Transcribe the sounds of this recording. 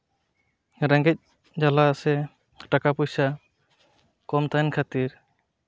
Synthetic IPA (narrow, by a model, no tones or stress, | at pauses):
ɾãŋɡɛc̚ | d͡ʒalasɛ | ʈakapujsa | kɔmt̪ajnkʰat̪iɾ